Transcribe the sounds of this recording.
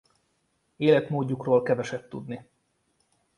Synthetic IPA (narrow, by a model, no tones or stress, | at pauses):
eːlɛt̪moːɟːukroːlkɛvɛʃɛt̪t̪ṵd̪ni